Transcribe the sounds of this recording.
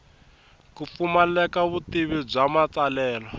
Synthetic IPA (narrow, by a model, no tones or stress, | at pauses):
kufumalɛkaβutiβib͡ʐamat͡salɛːlɔ